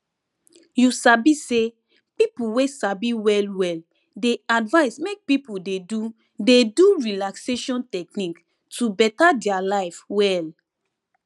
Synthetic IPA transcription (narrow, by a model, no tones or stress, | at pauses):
jusabise | pipuwesabiwɛlwɛl | deadvaɪsmek̚pipuldedu | deduɹilakseʃɔ̃ntɛknik | tubɛtadɛalaɪfwɛl